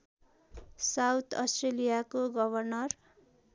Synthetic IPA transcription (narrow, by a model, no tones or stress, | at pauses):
sawt̪ʰʌsʈrelijakoɡʌbʱʌrnʌr